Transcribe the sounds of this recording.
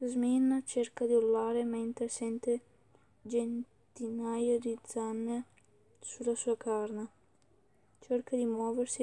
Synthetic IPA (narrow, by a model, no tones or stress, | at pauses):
zmint͡ʃerkad̪iolːaːɾement̪ɾesɛnt̪e | d͡ʒen | t̪inajad̪id̪zanːe | sulːasuːakarne | t͡ʃerkad̪imwɔːversi